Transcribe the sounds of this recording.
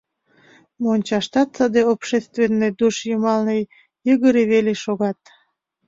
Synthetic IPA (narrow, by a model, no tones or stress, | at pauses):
monʲt͡ɕɑʃt̪ɑt̪səd̪eopʃest̪venːed̪uʃjəmɑlnəj | jəɣəɾeβeleʃoɣɑt̪̚